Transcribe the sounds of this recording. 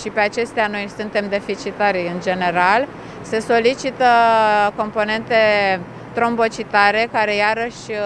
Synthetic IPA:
ʃipe̞at͡ʃe̞st̪eano̞jsunt̪e̞md̪e̞fit͡ʃit̪aɾʲɨnd͡ʒe̞ne̞ɾal | se̞so̞lit͡ʃit̪əko̞mpo̞ne̞nt̪e̞ | t̪ɾo̞mbo̞t͡ʃit̪aɾe̞kaɾe̞jaɾəʃʲ

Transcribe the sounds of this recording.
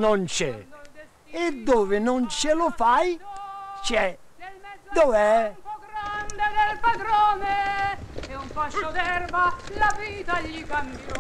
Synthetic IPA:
nont͡ʃɛ̰ | ed̪ːoːvɪnʊnt͡ʃɪlʊfajt͡ʃɛ | d̪ovɛɾand̪ed̪elpad̪ɾɔːne | ɛuɱfaʃod̪ɛrbalaviːt̪aʎːikambɔ

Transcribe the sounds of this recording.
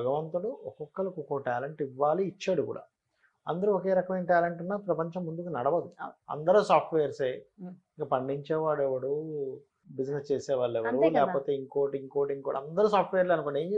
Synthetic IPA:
bʱɐɡɐʋɐnt̪ɐɽuɔkɔkːɐlɐkukoʈaːleɳʈiʋːaːliːt͡ʃːaːɽukṵːɽa̰ː | ɐnd̪ɐɾuɔkeːɾɐkɐmɐjnɐʈaːleɳʈunːaːpɾɐpɐɲt͡ʃɐmːund̪ukinɐɽɐʋɐd̪uɐ̰nd̪ɐɾuːsaːpʈʋɛjɐɾseːiŋkɐpɐɳɖiɲt͡ʃɛːʋaːɭɛʋɐɽu | bid͡ʒnest͡ʃeːsɛːʋaːɭːɛʋɐɾulɛːkɐpoːt̪e̞ːiŋkoːʈiiŋkoːʈiŋkuːɽa̰ɐnd̪ɐɾuːsaːpʈʋɛjːɐɾleɐnukoɳɖeːɲd͡ʒe

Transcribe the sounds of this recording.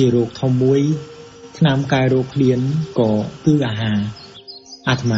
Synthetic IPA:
t͡ɕiəɾɔːk̚t̪ʰomːuəj | t̪ʰnamkaɛɾɔːkʰliənkɑːt̪ɨːʔaːɦaː | ʔat̪ʰma

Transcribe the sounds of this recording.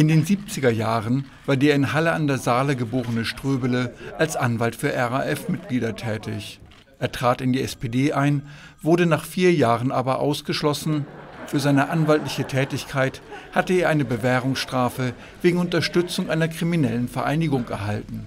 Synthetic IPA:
ʔɪndeːnziːp̚t͡sɪɡɐjaːʁən | vaːɐdeːɐɪnɦaləandeːɐzaːləɡəboːʁənəʃtʁ̥øːbələʔalsʔanvaltfyːɐʔɛʁaʔɛfmɪt̚ɡ̥liːdɐtʰɛːtɪç | ʔeːɐtʁ̥aːtɪndiːɛspedeːʔaɪn | v̥ʊɐdənaːχfiːɐjaːʁənʔaːbɐʔa̰ʊsɡ̥əʃlɔsn̩fyːɐzaɪnəʔanvaltlɪçətʰɛːtɪçkʰaɪthatəeːɐʔaɪnəbəvɛːʁʊŋsʃtʁ̥aːfə | veːɡŋ̩ʊntɐʃtʏt͡sʊŋʔaɪnɐkʁ̥iminɛlənfɛɐʔa̰ɪnɪɡʊŋɛ̰ɐɦaltn̩

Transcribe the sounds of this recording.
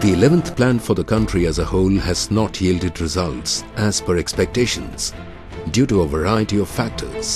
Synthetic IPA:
ð̥iɪlɛvə̃nθplæ̃nfə˞ðəkʰʌ̃ntɹiɨzəhoʊlæznɔtʰjiːldɨdɹɪzʌltsʔæz̥fəɹɛkspɛk̚tʰeɪʃə̃nz̥ | djuːɾuəvəɹaɪəɾiɔv̥fæk̚tʰə̰˞z̥

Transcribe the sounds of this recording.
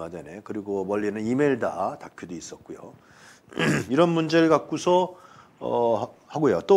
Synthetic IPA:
ad͡ʑane̞kɯɾiɡomʌʎːinɯnimeɭdatapʰjodois͈ʌt̚k͈ujo̰ | iɾʌnmund͡ʑe̞ɾɯɭɡak̚k͈usʰʌ | ʌ̰haɡojot͈o

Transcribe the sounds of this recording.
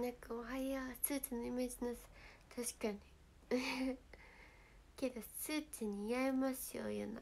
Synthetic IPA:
nãŋkaoɦajiḁt͡sɨːt͡sɨnoimeːd͡ʑinasɨ̥t̪ʰaɕi̥kaɲ̟i | ke̞d̪osɨt͡sɨɲ̟ijaimasɨjo̰jo̰na̰

